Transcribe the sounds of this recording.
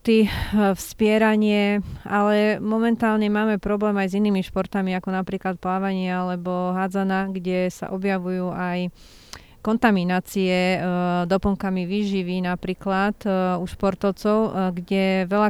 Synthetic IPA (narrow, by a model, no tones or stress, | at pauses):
t̪ifspɪɛɾaɲɪɛalɛmɔmɛnt̪aːlɲɛmaːmɛpɾɔblɛːmajziniːmiʃpɔɾt̪amiakɔnapɾiːklat̪̚plaːʋaɲɪɛalɛbɔɦad͡zanaɡɟɛsa̰ʔɔbjaʋujuːʔaj | kɔnt̪aminaːt͡siɛd̪ɔpɔŋkamiʋiːʒiʋinapɾiːklat̪uʃpɔɾt̪ɔʊt͡sɔʊɡɟɛʋɛʎa